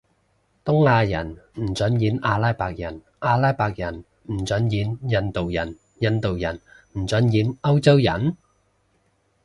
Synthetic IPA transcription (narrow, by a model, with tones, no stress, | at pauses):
t̪ʊ˥ŋaː˧jɐ˨˩nm̩˨˩t͡sɵ˨˥njiː˨˥naː˧laː˥jpaː˧k̚jɐ˨˩n | ʔaː˧laː˥jpaː˧k̚jɐ˨˩n | m̩˨˩t͡sɵ˨˥njiː˨˥njɐ˧nt̪o˨wjɐ˨˩n | jɐ˧nt̪o˨wjɐ˨˩nm̩˨˩t͡sɵ˨˥njiː˨˥nɐ˥wt͡sɐ˥wjɐ˨˩n